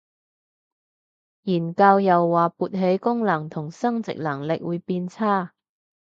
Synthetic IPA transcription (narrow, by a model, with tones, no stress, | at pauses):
jiː˨˩nkaː˧wjɐ˨wːaː˨˩puː˧˩t̚ɦe˨˥jkʊ˥ŋlɐ˨˩ŋt̪ʰʊ˨˩ŋsɐ˥ŋt͡sɪ̰˨k̚lɐ˨˩ŋlɪ̰˨k̚wuː˨˧jpiː˧nt͡sʰaː˥